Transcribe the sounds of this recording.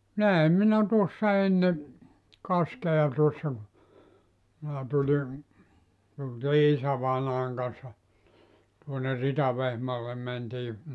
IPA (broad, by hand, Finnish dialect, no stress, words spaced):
næem minæ tuosːɑ enːe kɑskeɑ tuosːɑ ku minæ tulʲi tultiː isæʋɑinɑːŋ kɑnsːɑ tuoner ritɑʋehmɑːlːem mentiː